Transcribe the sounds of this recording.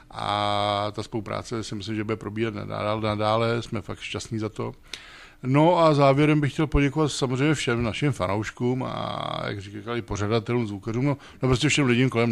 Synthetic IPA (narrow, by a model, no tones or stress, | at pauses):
ʔa̰t̪aspowpɾa̰ːt͡sɛsɪmɪslɪmʒɛbudɛpɾo̞biːɦat̪na̰a̰anadaːlɛsmɛfakt̪ʃcast̪ɲiːzat̪o̞̰ | no̞ʔazaːvjɛɾɛmbɪxcɛlpoɟɛkovat̪samozr̝eɛjmɲɛfʃɛmnaʃɪmfanowʃkuːma̰ja̰krɪkkalɪpor̝adat̪ɛluːmzvukaruːmno | nopɾos̬cʲɛfʃɛmlɪɟɪmkolɛm